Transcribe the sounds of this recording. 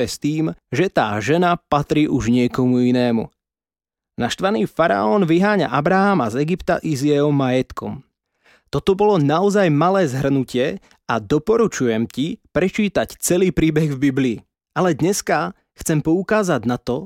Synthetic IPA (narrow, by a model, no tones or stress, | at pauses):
ɛst̪iːmʒɛt̪a̰ːʒɛnapat̪ɾiːʔuʒɲɪɛkɔmuinɛːmṵ | naʃt̪ʋaniːfaɾa̰ɔːnʋiɦaːɲa̰ʔabɾaɦamazɛɡipt̪a̰ʔizjɛɦɔmːajɛt̪kɔ̰m | t̪ɔt̪ɔbɔlɔnaɔzajmalɛːzɦr̩nucɪɛ | ad̪ɔpɔɾut͡ʃujɛmcipɾɛt͡ʃiːt̪act͡sɛliːpɾiːbɛɣvbibliː | alɛd̪ɲɛska | xt͡sɛmpɔukaːzaɟnat̪ɔ